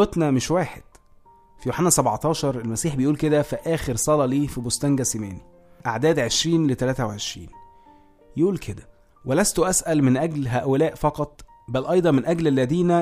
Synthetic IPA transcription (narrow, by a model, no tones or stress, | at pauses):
ot̪næmeʃwæːħed̪̥ | fijoħanːæsæbʕɑt̪ˤɑːʃɑɾˤelmæsiːħbejʔuːlked̪æfæʔæːxeɾsˤɑlɑliːfibost̪æŋɡæsimæːni | ʔaʕd̪æːd̪ʕeʃɾiːnlet̪ælæːt̪æweʕeʃɾḭːn | jʔuːlkʰed̪æ | welæst̪oʔæsʔælmɪnʔæɡlɦæːʔolæːʔfɑqɑt̪ˤ | bælʔɑjd̪ˤɑnmenʔæɡlælːæd̪iːnæ